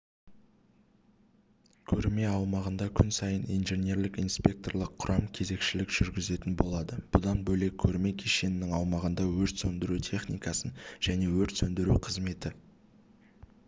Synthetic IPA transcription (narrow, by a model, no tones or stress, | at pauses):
kʲʰɵɾme̞ɑwmɑʁənd̪ɑkʲʰʏnsɑjənijnʒe̞nʲe̞ɾlɪkinspʲe̞k̚t̪o̞rlˠəqʰːʊɾʔɑmkʲʰe̞ze̞kʃɪlɪkʒ̥ʏɾɡʲɪze̞t̪ɪnbo̞lˠɑd̪əb̥ʊd̪ɑnbɵjle̞kʲʰɵɾme̞kʲʰeʃenɪnɪŋɑwmɑʁənd̪ɑwɵɾt̪sɵnd̪ɪɾut̪ʰe̞χnijkɑsənʒ̥æne̞wɵɾt̪sɵnd̪ɪɾuqʰəzme̞t̪ɪ